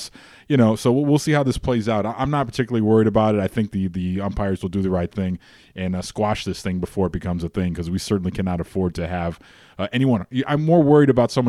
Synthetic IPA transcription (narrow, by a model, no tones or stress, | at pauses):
s | jɨɾ̃oʊsoʊwilˠsihaʊðɪspʰl̥eɪzaʊɾaɪʔãɪ̃mnət̚pʰə˞tʰɪkjl̩lˠiwɜ˞iɾɨbaʊɾɨɾaɪθɪ̃ŋk̚ðɨðɨʌ̃mpʰaɪə˞zwəl̩ˠdɨðɨɹaɪt̪̚θɪ̃ŋ | ʔɨ̃nskwɑʃðɪsθɪ̃ŋbəfɔɹɨt̚b̥ɨkʰʌ̃mzɨθɪ̃ŋkʰʌzwisɜ˞ʔn̩likʰænɑɾɨfɔɹd̚tʰɨɨv̥ | ʌʔɛñiwʌ̃njɨʔãɪ̃mːɔɹwɜ˞iɾɨbaʊtsʌ̃mw̃